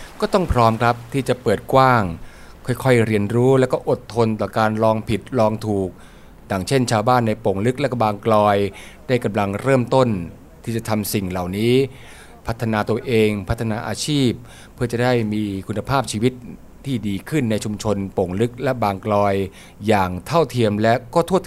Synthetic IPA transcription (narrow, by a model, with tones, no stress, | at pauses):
kɔː˥˩t̪ɔ˥˩ŋpʰɾɔː˦˥mkʰɾa˦˥p̚t̪ʰiː˥˩t͡ɕa˨˩pɤː˨˩t̪̚kwaː˥˩ŋ | kʰɔ˥˩jkʰɔ˥˩jɾi˧ənɾuː˦˥lɛ˦˥wkɔː˥˩ʔo˨˩t̪ʰːo˧nt̪ɔː˨˩kaː˧nɾɔː˧ŋpʰi˨˩t̪̚lɔː˧ŋt̪ʰuː˨˩k̚ | jaː˨˩ŋt͡ɕʰe˥˩nt͡ɕʰaː˧wbaː˥˩nːa˧jpo˨˩˦ŋlɯ˦˥k̚lɛ˦˥kɔ˥˩baː˧ŋklɔː˧jdaː˥˩jka˧mla˧ŋɾɤː˥˩mt̪o˥˩n | t̪ʰiː˥˩t͡ɕa˨˩t̪ʰa˧msi˨˩ŋla˨˩wniː˦˥ | pʰa˦˥t̪ʰːa˧naː˧t̪u˧əʔeː˧ŋpʰa˦˥t̪ʰːa˧naː˧ʔaː˧t͡ɕʰiː˥˩p̚ʰː | ɯ˥˩t͡ɕa˨˩daː˥˩jmiː˧kʰu˧nːa˧pʰaː˥˩p̚t͡ɕʰiː˧wi˦˥t̪̚ | t̪ʰːiː˥˩diː˧kʰɯ˥˩nːa˧jt͡ɕʰu˧mt͡ɕʰo˧npo˨˩˦ŋlɯ˦˥k̚lɛ˦˥baː˧ŋklɔː˧jː | aː˨˩ŋt̪ʰa˥˩wt̪ʰi˧əmlɛ˦˥kɔː˥˩t̪ʰu˥˩ət̪